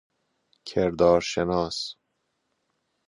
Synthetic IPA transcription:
kʲʰeɾd̪ɒːɾʃenɒːs

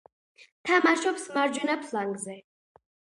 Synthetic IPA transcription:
t̪ʰamaʃɔpsmaɾd͡ʒɛnapʰlaŋɡzɛ

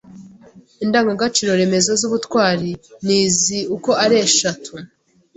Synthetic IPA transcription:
indaːŋɡaɡat͡ʃiɾo̞ɾe̞me̞zo̞zuβutkwaːɾiniːziuko̞ʔaɾeʃatʰu

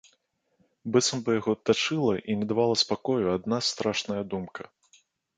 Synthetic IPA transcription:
bɨt̪sɐmbɨjaɣɔt̪ːat͡ʂɨlˠɐʔinʲɛd̪avalˠɐspakɔjuad̪nast̪ɾaʂnɐjɐd̪umkɐ

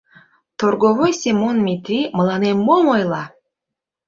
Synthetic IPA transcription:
t̪oɾɡovojsʲimonmʲit̪ɾiməlˠɑnemːomojlˠɑ

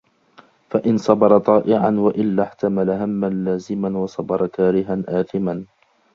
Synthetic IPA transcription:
faʔɪnsˤɑbɑɾˤɑt̪ˤɑːʔɪʕanwaʔɪlːaħt̪amalaɦamːanlaːzɪmanwɑsˤɑbɑɾˤɑkaːɾɪɦanʔaːθɪman

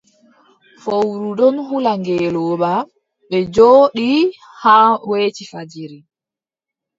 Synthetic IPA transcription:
fowɾuɗɔnhulaŋɡɛːlɔːɓa | ɓɛd͡ʒoːɗi | haːweːt͡ʃifad͡ʒiɾi

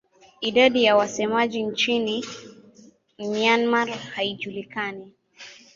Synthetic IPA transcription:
idadijawasɛmad͡ʒint͡ʃini | mianmarhaid͡ʒulikani

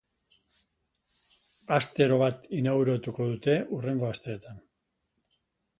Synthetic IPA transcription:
ast̪e̞ɾo̞βat̪inaɣuɾot̪uko̞ðut̪e̞ure̞ŋɡo̞ast̪e̞ːt̪an

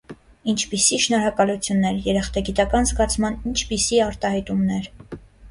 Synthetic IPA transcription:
int͡ʃʰpisiʃnɔɾɑkɑlut͡sʰjunːɛɾjɛɾɛχt̪ɑɡit̪ɑkɑnzɡɑt͡sʰmɑnint͡ʃʰpisiɑɾt̪ɑhɑjt̪umnɛɾ

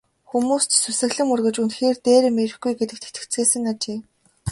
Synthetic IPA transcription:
xumuːst̪susɘ̆ɣɮɘ̆ŋurɣɘ̆t͡ɕunxeːrt̪eːɾɘ̆mːeɾɘ̆xɡujɡet̪ɘ̆k̚t̪ʰe̥t̪ʰɘ̥̆kt͡seːsɘ̆ŋat͡ɕeː

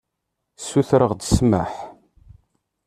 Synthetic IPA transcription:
sːuθɾəʁd̪əsmə̰ħ

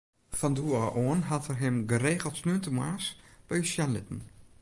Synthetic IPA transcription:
fɔnduːaʔoənɦatərɦɪmɡəreːɣəl̩ˠtsnyəntəmwaːsb̥ɛjəsjanlɪ̰tən̩

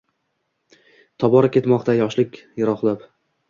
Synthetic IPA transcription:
t̪ʰɒbɒɾakʲe̞t̪mɒqt̪ʰajɒʃlɪkʲjaɾɒχlˠap

